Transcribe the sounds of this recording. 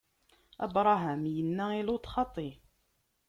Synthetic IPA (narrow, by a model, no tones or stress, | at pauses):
ʔæ̰bɾˤɑɦæmjənːæilut̪xɑt̪ˤːi